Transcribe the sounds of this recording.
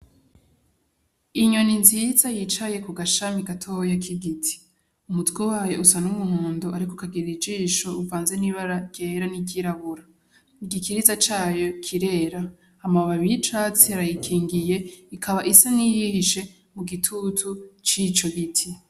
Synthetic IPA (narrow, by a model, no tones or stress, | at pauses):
iɲo̞ninzizajit͡ʃaje̞kuɡaʃamiɡatʰohojakʰiɡitʰi̥ | umutɡowaːjo̞ʔusanumuhoːndoʔaɾikokaɡiɾid͡ʒiːʃo̞uvaːnze̞niβaɾaɟ̥eːɾaniɡiɾaβuɾa | iɡikiɾizat͡ʃaːjo̞kʰiɾe̞ːɾa | hamaβaβiit͡ʃaːt͡siaɾajikʰiːŋɡije̞ikʰaβaʔisanijihiʃe̞ | muɡitʰutʰut͡ʃit͡ʃo̞ɡitʰi